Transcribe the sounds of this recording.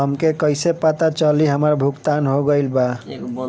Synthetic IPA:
ɦəmkekəjsepat̪at͡ʃəliɦəməɾbʱukt̪anɦoɡəjlba

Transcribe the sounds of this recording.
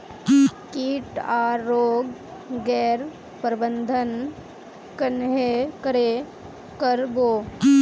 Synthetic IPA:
kiːʈaːɾoːɡɡɛːɾ | pɾbənd̪ʱən | kənɦekəɾe | kəɾboː

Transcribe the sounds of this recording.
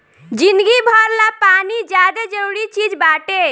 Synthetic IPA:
d͡ʒind̪ɡibʱɔɾlapanid͡ʒad̪ed͡ʒəɾuɾit͡ʃid͡ʒbaʈe

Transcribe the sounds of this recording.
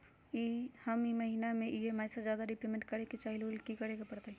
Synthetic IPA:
ihəmiməɦinameʔiɦemaːsad͡ʒjaːd̪aɾipɾemẽɳʈkəɾeket͡ʃaːɦilolkikəɾekepəɾt̪e

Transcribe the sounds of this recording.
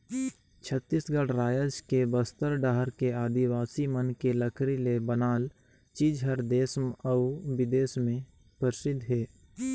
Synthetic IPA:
t͡ʃʰət̪ːiːsɡəɽɾaːjəd͡ʒkebəst̪əɾɖaɦəɾkeaːd̪iwaːsimənkeləkʰɾilebənaːl | t͡ʃiːd͡ʒɦəɾd̪eːsməʊʋɪd̪eːsmẽ | pəɾɪsɪd̪ʱːɦɛː

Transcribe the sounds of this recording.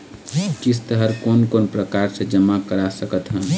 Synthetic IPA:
kist̪əɦəɾkonkonpɾəkaɾsẽd͡ʒəmːakəɾasəkət̪ɦə̃n

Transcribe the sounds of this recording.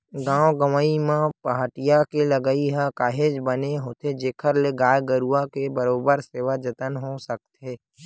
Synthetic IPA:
ɡãːwoɡəməimãpəɦaʈijakeləɡəiɦakaːɦeːd͡ʒbəneɦoːt̪ed͡ʒeːkʰəɾleɡaːjɡəɾuakebəɾoːbəɾseːʋad͡ʒət̪ənɦosək̚t̪ɦeː

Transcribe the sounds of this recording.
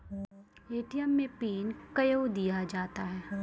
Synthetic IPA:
eːʈijəmːẽpiːnkɐjod̪ijad͡ʒaːt̪aɦɛː

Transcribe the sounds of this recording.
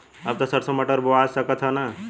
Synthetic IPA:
əb̚t̪əsəɾsəməʈəɾboasəkət̪ɦəna

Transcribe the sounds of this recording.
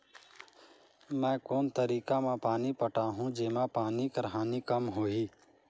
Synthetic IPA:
mɛ̃ːkoːnt̪əɾiːkãːmãːpaːniːpəʈaːɦũːd͡ʒeːmãːpaːniːkəɾɦaːniːkəmɦoːiː

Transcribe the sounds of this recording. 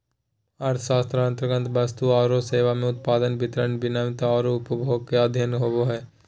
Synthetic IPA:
ɐɾt̪ʰəʃaːst̪ɾãnt̪ɾəɡə̃nt̪ʰʋɐst̪uaːɾoseːʋamẽʊt̪̚paːd̪ənbɪt̪ɾənbɪnamt̪aɔːɾoʊpəbʱoːɡ̚kead̪ʱjənɦoboɦɛː

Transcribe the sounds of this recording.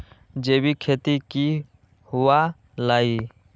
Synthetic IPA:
d͡ʒeːbikʰeːt̪iki | hʊʋa | laːi

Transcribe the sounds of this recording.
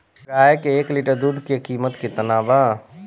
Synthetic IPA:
ɾaːekeːkliːʈəɾd̪uːd̪ʱkekiːmət̪ket̪ɐnaːʋaː

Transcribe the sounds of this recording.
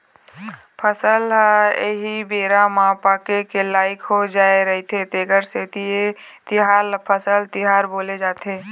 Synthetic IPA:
pʰəsəlɦeɦibeːɾamãpaːkekelaːɪkɦod͡ʒaːeɾɐɦit̪ʰet̪eːɡəɾseːt̪ie | t̪ɪɦaːlpʰəsəlt̪ɪɦaːɾboːled͡ʒaːt̪ʰeː

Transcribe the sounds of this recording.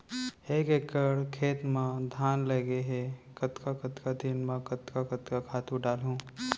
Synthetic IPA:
ekekəɾkʰet̪mə̃d̪ʱanləɡeɦekət̪kakət̪kad̪inməkət̪kakət̪kakʰat̪ũɖalɦũ

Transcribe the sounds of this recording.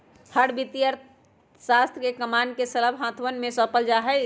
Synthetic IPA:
hʰəɽbit̪ijəɾ | sast̪ʰkekəmankesələbɦãt̪ʰʋənmẽsəpəld͡ʒaɦəj

